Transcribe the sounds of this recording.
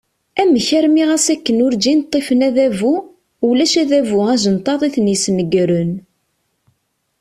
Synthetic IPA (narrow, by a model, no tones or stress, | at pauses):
æmːəçæɾmiʁæsækːənʊɾd͡ʒint̪ˤːifənæðævu | ulæʃæðævuæʒənt̪ˤɑðˤiθnjsnəɡɾən